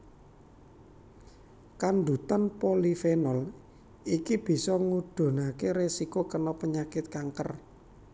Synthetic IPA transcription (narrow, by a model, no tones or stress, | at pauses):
kand̪ut̪anpolifenɔl | ikib̥i̤sɔŋud̪̥o̤nakeɾesikokənɔpəɲakɪt̪̚kaŋkər